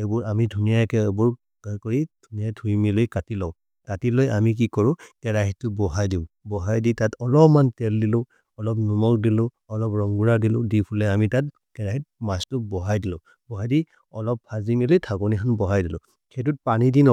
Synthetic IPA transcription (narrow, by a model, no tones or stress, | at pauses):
ebʊɹamidʱunijakɛbuɹ | kɔɹid̥ʱunijatʰuimilʊjkatilɔw | katilojʔamik̬ikɔɹʊ̃kɛɹaɦittːʊbɔɦajdiʊbɔɦajditatɔlɔpmantɛldilʊ̃ | ɔlɔp̬̚numɔk̚dilʊ̃ | ɔlɔpɹɔŋɡuɹadilʊ̰̃dipʰulɛamitat̚ | kɛɹaɦit̚mastʊbɔɦajdilʊ̃ | bɔɦajdi | ɔlɔpʰːazimilʊjtʰakɔnikʰanbɔɦajdilʊ̰̃ | kʰet̬ut̚panidinɔ